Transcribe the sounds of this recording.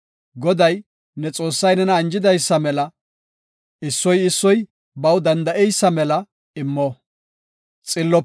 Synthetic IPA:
ɡɔd̪ɐj | nɛt͡sʼo̞ːsːɐjnɛnɐːnd͡ʒɪd̪ɐjsːɐmɛlɐ | ɪsːɔjɪsːɔj | bɐwd̪ɐnd̪ɐʔɛjsːɐmɛlɐ | ɪmːɔ | t͡sʼɪlːɔ

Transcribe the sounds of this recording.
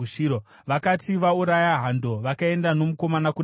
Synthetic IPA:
uio | ʋakatiʋauɾajaɦando̞ʋakae̞ndano̞muko̞manakun

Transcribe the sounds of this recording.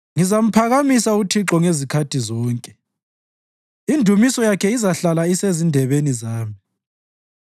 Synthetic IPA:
ŋizam̩pʰaɣamisautʰiǁɔŋezikʰatʰizɔːŋkʼɛ | indʱumisɔjakʰɛizaɬalaisezindʱɛβenizaːmi

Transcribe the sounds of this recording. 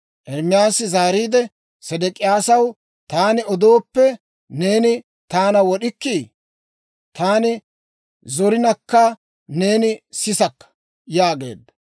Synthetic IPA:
ʔɛɾmɪjaːsɪzaːɾiːd̪ɛ | sɛd̪ɛkʼɪjaːsɐw | t̪aːnɪɔd̪o̞ːpːɛ | ne̞ːnɪ | t̪aːnɐwɔɗɪkːi | t̪aːnɪ | zɔɾɪnɐkːɐ | ne̞ːnɪsɪsɐkːɐ̥ | jaːɡe̞̰ːd̪ːɐ

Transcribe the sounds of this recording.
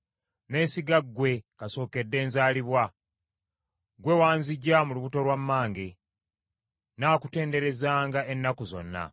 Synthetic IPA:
ne̞ːsiɡaɡwe̞kaso̞ːke̞dːe̞ːnzaːliβwa | ɡwe̞waːnziɟːamuluβuto̞lwamːaːŋɡe | naːkute̞ːnde̞ɾe̞zaːŋɡaʔenːakuzo̞̰nːa̰

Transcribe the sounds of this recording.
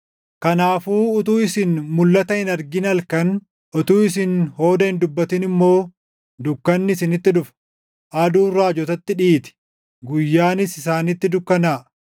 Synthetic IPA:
kɐnaːfuːʊt̪̬uːɪsɪnmʊlːɐt̪ɐhɪnɐɾɡɪnɐlkɐn | ʔɔt̪uːɪs̬ɪnho̞ːd̪ɐhɪnd̪ʊbːɐt̪ɪnɪmːo̞ː | d̪ʊkːɐnːɪɪsɪnɪt̪ːɪᶑʊf | ʔad̪uːrɾːaːd͡ʒɔt̪ɐt̪ːɪᶑiːt̪ɪ̥ | ɡʊjːaːnɪsɪsaːnɪt̪ːɪd̪ʊkːɐnaː

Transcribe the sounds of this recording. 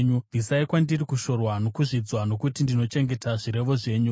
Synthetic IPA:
ɲudisaikwandirikuʃo̞rwano̞kuʐid͡zwano̞kutindino̞t͡ʃe̞ŋɡe̞taʐiɾe̞ʋo̞ʐe̞ːɲu

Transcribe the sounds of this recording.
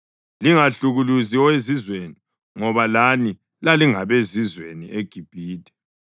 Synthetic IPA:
liŋaɬuɣuluziɔwezizweni | ŋɔβalani | laliŋaβezizwenḭʔeɡ̥ʱib̥ʱiːdʱʼɛ̥

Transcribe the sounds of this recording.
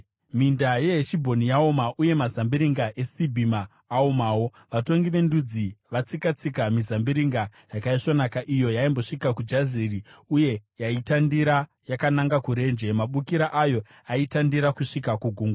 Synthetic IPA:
mindaje̞eʃibʱo̞nijaomaʔuje̞mazambiɾiŋɡaʔe̞sibʱimaː | omaːwo̞ | ʋato̞ŋɡiʋe̞ndud͡ziʋat͡sikat͡sikamizambiɾiŋɡajakaiʂonakaʔijo̞jaimbo̞ʂikakud͡ʒaziriuje̞jaitandiɾa | jakanaŋɡakuɾe̞ːnd͡ʒe̞maɓukiɾaʔajo̞ | aitandiɾakuʂikakuɡʱuːŋɡ

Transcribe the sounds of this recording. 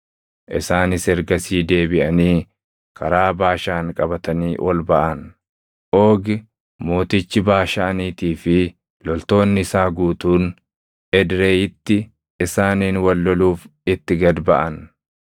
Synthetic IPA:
ʔɪ̰saːnɪsɛɾɡɐsiːd̪e̞ːbɪʔɐniː | kʰɐɾaːbaːʃaːŋkʼɐbɐt̪ɐniːwʔɔlbɐʔɐn | ʔoːɡɪ | mo̞ːt̪ɪt͡ʃːɪbaːʃaːniːt̪iːfɪ | lɔlt̪o̞ːnːɪɪsaːɡuːt̪uːn | ɛd̪ɾeːjɪt̪ːɪ | ɪsaːniːnwɐlːɔluːfɪt̪ːɪɡɐd̪bɐʔɐn

